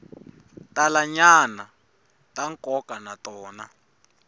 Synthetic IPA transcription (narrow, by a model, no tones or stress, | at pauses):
talaɲana | taŋkɔkanatɔːna